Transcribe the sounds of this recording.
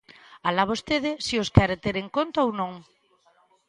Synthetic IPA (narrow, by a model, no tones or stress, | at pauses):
alaβost̪eð̞esioskɛɾet̪eɾeŋkont̪aownõŋ